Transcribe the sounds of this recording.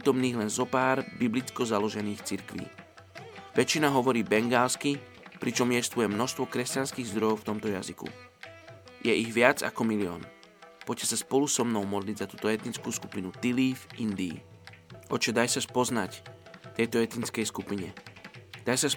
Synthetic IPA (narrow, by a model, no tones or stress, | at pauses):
t̪ɔmniːɣlɛnzɔpaːɾbiblit͡skɔzalɔʒɛniːxt͡siɾkʋḭː | ʋɛt͡ʃːinaɦɔʋɔɾiːbɛŋɡaːlski | pɾit͡ʃɔmjɛst̪ʋujɛmnɔʃst̪ʋɔkɾɛscanskiːɣzd̪ɾɔjɔʊft̪ɔmt̪ɔjazikṵ | jɛʔiɣʋɪad͡za̰kɔmiliɔ̰ːn | pɔcɛsaspɔlusɔmnɔʊmɔd̪liɟzat̪uːt̪ɔɛt̪nint͡skuːsku̥pinut̪iliːfind̪ḭː | ʔɔt͡ʃɔd̪ajsaspɔznact̪ɛjt̪ɔɛt̪nint͡skɛjskupiɲɛd̪̥ajsas